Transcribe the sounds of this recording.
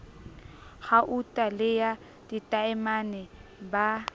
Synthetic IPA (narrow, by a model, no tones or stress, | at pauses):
ɣaʔutʼalɪja | ditʼaɛmanɛba